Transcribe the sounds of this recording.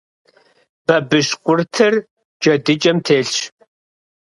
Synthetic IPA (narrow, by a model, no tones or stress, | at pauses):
b̥ɐbɨʃqʷʼʊrtʰɨr | d͡ʒɐdɨt͡ʃʼɐmtʰeːɬɕ